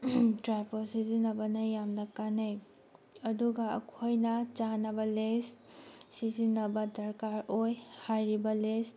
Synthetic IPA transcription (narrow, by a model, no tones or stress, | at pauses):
tɾajposizinɐbɐnɐjamnɐkanaj | ɐduɡɐɐ̰kʰojnɐt͡ʃanɐbɐles | sizinɐbɐdɐɾkaɾojhajɾibɐles